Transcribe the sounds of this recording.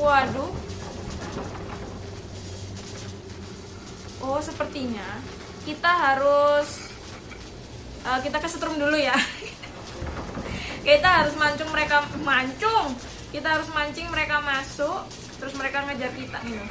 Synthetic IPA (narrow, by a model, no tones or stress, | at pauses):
wadʊ | ʔɔhsəpərt̪iɲa | kit̪aɦaɾʊs | ʔəkit̪akasət̪ɾʊmduluja | kait̪aɦaɾʊs̬maɲt͡ʃʊŋməɾekamaɲt͡ʃʊŋ | kit̪aɦaɾʊsmaɲt͡ʃɪŋməɾekamasʊʔ | t̪əɾʊsməɾekaŋəd͡ʒarkit̪aɡit̪u